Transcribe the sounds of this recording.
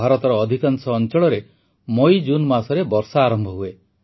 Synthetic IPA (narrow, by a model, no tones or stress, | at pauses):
aɾɔt̪ɔɾɔːd̪ʱikansɔːnt͡ʃɔɭɔɾe | mojd͡ʒunmasɔɾebɔɾsaːɾɔmbʱɔɦue